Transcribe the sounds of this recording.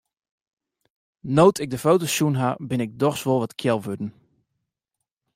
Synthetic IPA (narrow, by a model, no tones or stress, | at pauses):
nowtʰɪɡ̚dəfowtosjunɦabɪnɪɡ̚dɔχsʋɔlˠʋɔtkʰjɛlˠʋødən̩